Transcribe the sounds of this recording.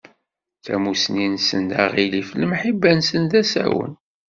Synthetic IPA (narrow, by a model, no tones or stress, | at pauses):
θæmusninsə̰nd̪aʁilifləmħibːænsənðæsæ̰wə̰n